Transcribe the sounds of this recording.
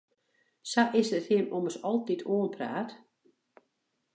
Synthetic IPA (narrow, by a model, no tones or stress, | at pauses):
saʔɪsdəthiəmoməsɔlˠtitʰoːənpʰra̰ːt